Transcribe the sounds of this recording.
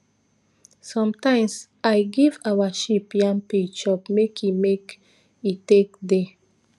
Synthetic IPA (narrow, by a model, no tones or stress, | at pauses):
sɔ̃mtãɪ̃ms | aɪɡivawaʃipjãmpiɡʃɔpmekʰjimek | itek̚de